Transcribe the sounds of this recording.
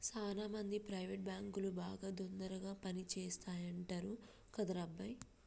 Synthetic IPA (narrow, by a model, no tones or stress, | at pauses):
t͡ʃaːlaːmɐnd̪ipɾɐjʋeʈ̚baːŋkulubaːɡaːd̪ond̪ɐɾɐɡaːpɐnit͡ʃɛːst̪aːjɐɳʈɐɾu | kɐd̪ɐɾɐbːɐj